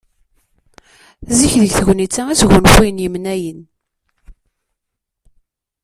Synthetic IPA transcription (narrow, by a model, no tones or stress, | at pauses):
ziçðəʝθəɣnit͡sːææt͡sʝənxijnjəmnæjən